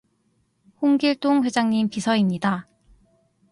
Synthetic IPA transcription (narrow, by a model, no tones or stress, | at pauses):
hoŋɡiɭt͈oŋɸwe̞d͡ʑaŋɲimpisʰʌimɲida